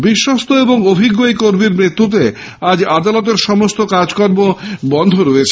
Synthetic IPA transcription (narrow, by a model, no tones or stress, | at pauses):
biʃːɔst̪oeboŋobʱiɡːojkoɾmiɾmɾit̪ːut̪̬e | ad͡ʑad̪alɔt̪̬eɾʃɔmost̪okad͡ʑkɔɾbobɔnd̪ʱoɾoet͡ɕʰe